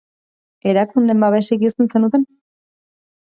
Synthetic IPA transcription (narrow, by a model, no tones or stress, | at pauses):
e̞ɾakund̪e̞mbaβe̞sikist̪ense̞nut̪e̞n